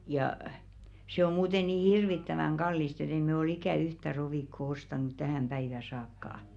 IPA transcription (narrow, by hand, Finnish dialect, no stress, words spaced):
jɑˑ se om muːte niː hirʋitːæʋæŋ ɡ̊ɑlːist et ei mɛ ol ikæˑ yhtæ roʋiˑkːo ostɑˑnut tæhæˑm pæiʋæ sɑːkːɑˑ